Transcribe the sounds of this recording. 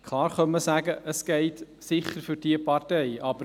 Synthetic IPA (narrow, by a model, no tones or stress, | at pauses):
kʰlˠɑːrχœnməsæːɡəʔəsɡ̥eɪt | sɪχərfʏrdiəpɑrtɛɪɑbə